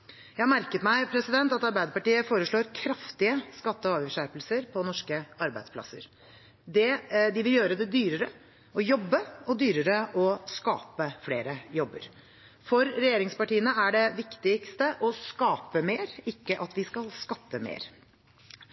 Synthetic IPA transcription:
jæhɑmæɾkət̪mæɪpʰɾɛsɪd̪ɛnt̪ɑt̪ɑɾbæɪd̪əɾpɑʈiːəfoːɾəʂɭoːɾkʰɾɑft̪ɪəskɑt̪ːəɔɑːʋɪʂæɾpəlsəɾpʰɔnɔʂkəɑɾbæɪd̪spʰlɑ̰sːə̰ɾ | d̪ɛd̪ɪʋɪljøːɾəd̪ɛd̪yːɾəɾə | ɔjɔbːəɔd̪yːɾəɾəʔɔskɑ̰ːpəfleːɾəjɔbːə̰ɾ | fɔɾːɛjeːɾɪŋspɑʈiːənəæɖɛʋɪkt̪ɪkst̪əʔɔskɑːpəmeːɾɪkːəʔɑt̪ʋɪskɑlskɑt̪ːəmḛːɾ

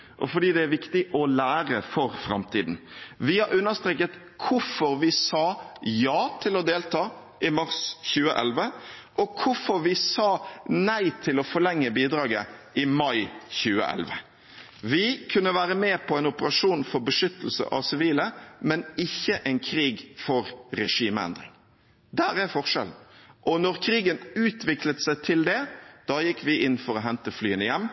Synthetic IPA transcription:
ʔɔfɔɖiːd̪ɛæɾʋɪkt̪ɪʔɔlæːɾəfɔɾfɾɑ̰mt̪ʰḭːd̪n̩ʋɪhɑɾʉnːəst̪ɾeːkət̪ | kʰʊfɔɾʋɪsɑːjɑːt̪ʰɪlɔd̪eːlt̪ʰɑː | ʔɪmɑɾsçʉːəʔɛ̰lʋəʔɔkʰʊfɔɾʋɪsɑːnæɪt̪ʰɪlɔfɔɾlɛŋːəbiːd̪ɾɑːɡə | ɪmɑɪçʉːə̰ʔɛ̰lʋə̰ | ʋɪkʰʉnːəʋæːɾəmeːpʰɔɛɪnʊpəɾɑʂuːnfɔɾbəʂʏt̪əl̩sə̰ʔɑ̰ʋsɪʋiːləmɛnɪçːəʔɛɪnkʰɾiːɡfɔɾɾɛʂiːməɛ̰nd̪ɾɪ̰ŋ | d̪æːɾæɾfɔʁʂɛ̰ln̩ʔɔnɔɾkʰɾiːɡənʉːt̪ʰʋɪklət̪sæɪt̪ʰɪld̪ɛd̪̥ɑːjɪkːʋɪʔɪnːfɔɾɔɦɛnt̪əflyːənəjɛmː

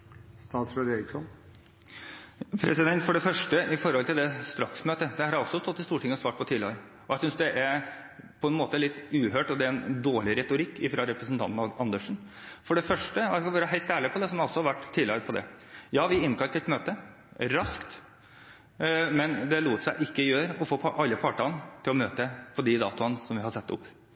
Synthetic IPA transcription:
st̪ɑːt̪sɾɛd̪eːɾɪksɔn | pʰɾɛsɪd̪ɛnt̪fɔɖɛfœʂʈəʔɪfɔɾhɔlt̪ɪld̪ɛst̪ɾɑksmøːt̪əd̪ɛhɑɾɑɾɔsːɔst̪ɔt̪ːɪst̪uːʈʰɪŋːəɔsʋɑːʈ̚pɔt̪ʰiːlɪəɾə | ɔjæɪsʏnsd̪ɛʔæɾ | pʰɔɛnmoːt̪əlɪt̪ːʉːhøːʈɔd̪ɛæɾɛnd̪oːɭɪɾɛt̪ʊɾɪkːɪfɾɑɾɛpɾəsn̩t̪ʰɑnt̪nɑɑnd̪əʂn̩ | fɔɖɛfœʂʈəɔæskɑʋøːɾəɦæɪlt̪æːɭɪpʰɔd̪ɛsɔmɔsːɔhɑʋæʈːt̪ʰːiːlɪɾəpʰɔd̪ɛ̰jɑːʋɪɪnːkʰɑlt̪əɛt̪møːt̪ə | ɾɑskt̪ | mɛnd̪ɛluːt̪sæɪʔɪkːəjøːɾəʔɔfoːpʰɔʔɑlːəpʰɑʈɑnt̪ʰɪlɔmøːt̪əpʰɔd̪ɪd̪ɑ̰ːt̪ʊnsɔmʋɪhɑsɛt̪ːʊ̰pː

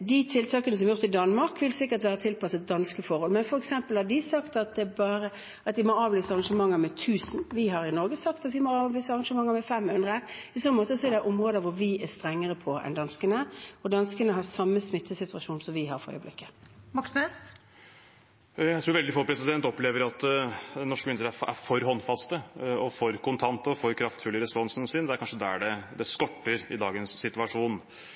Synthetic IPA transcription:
d̪ɪt̪ʰɪlt̪ʰɑːkənəsɔmɛæɾjʊʁt̪ɪd̪ɑnmɑɾkʰʋɪlsɪkːəɾt̪ʋæːɾət̪ʰɪlpɑsət̪̚d̪ɑnskəfɔɾhɔlmɛnfɔɾɛksɛmpəlhɑd̪ɪsɑkt̪ɑt̪̚d̪ɛbɑːɾə | ɑt̪ʋ̪ɪmɔɑːʋlyːsəɑɾʁɑŋʂəmɑŋːəɾmɛt̪ʰʉːsnʋɪɦɑɾɪnɔɾɡəsɑkt̪ɑt̪ʋɪmoɑːʋlyːsəɑɾʁɑŋʂəmɑŋːəɾmɛfɛmhʉnd̪ʁəpɔsɔmːəmoːt̪əsɔɛɾd̪æʔɔmʁoːd̪əʋʊɾʋɪæst̪ɾɛŋːəɾəpʰɔɛ̰nd̪ɑnskənəɔd̪ɑnskənəɦɑsɑmːəsmɪt̪ʰːəsɪt̪ʉɑʂuːnsɔmʋɪɦɑɾfœ̰ɾ̰əblɪ̰kːə̥mɑksnøs | jæɪt̪ɾuːɾʋɛld̪ɪfoːpʰɾɛsɪd̪ɛnt̪ɔpleːʋəɾɑt̪nɔʂkəmɪnstəɾəææ̰ɾfɔɾhɔnːfɑst̪əɔfɔɾkʊnt̪ʰɑnt̪əɔfɔɾkʰɾɑft̪fʉlːəɾɛspɔnsn̩sɪnd̪ɛæɾkɑnʂəd̪ɛɖɛd̪ɛskɔʈːəɾɪd̪ɑːɡənsːɪt̪ʉɑʂuːn

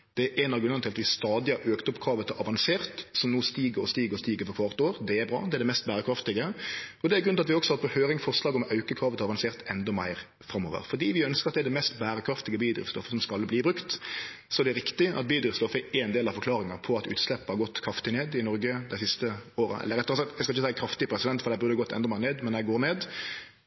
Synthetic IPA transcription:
d̪̥ɛʔɛnɑɾɡʉnɛnʰɪlɑt̪ʋɪst̪ɑːd̪ɪhɑɾøːkt̪ɔpkʰɾɑːʋət̪ʰɪʔɑʋɑnseːʁt̪sɔmnoːst̪iːɡəɾɔst̪iːɡəɾɔst̪iːɡəɾfɔɾkʰʋɑʁt̪oːɾd̪ɛæɾbɾɑ̰ːd̪ɛæɛd̪ɛmɛst̪̚bæːɾəkʰɾɑft̪ɪɡəɔd̪ɛæɾɡɾʉnɑt̪ʋɪɔksɔhɑːt̪pʰɔhøːɾɪŋfɔʁʂlɑːɡɔmɑʉkəkʰɾɑːʋət̪ʰɑʋɑnseːʁt̪ɛnd̪ɔmæ̰ɪɾ | fɾɑmːo̰ːʋə̰ɾfɔd̪iːʋɪœnskəɾɑt̪d̪ɛæd̪ɛmɛst̪bæːɾəkʰɾɑft̪ɪɡəbiːd̪ɾɪ̰fst̪ɔfə̥sɔmskɑlbliːbɾʉkt̪sɔɛd̪ɛɾɪkt̪ɪɑ̰t̪̚biːd̪ɾɪfst̪ɔfəʔænd̪eːlɑfɔɾklɑːɾɪŋɑpʰɔɑt̪ʉ̰ːt̪slɛpːəhɑɾɡɔt̪ːkʰɾɑft̪ɪneːd̪ɪnɔɾɡəd̪æɪsɪst̪əoːɾə̰ʔɛ̰lːəɾɛt̪ːɔʁɑsɑkt̪æɪskɑɪçːəsæɪkʰɾɑft̪ɪpʰɾɛsɪd̪ɛnt̪ːfɔɾd̪æɪbʉɾd̪ɑɡɔt̪ʰːɛ̰nd̪ɔmæɪneːd̪mɛnæɪɡoːɾneːd̪

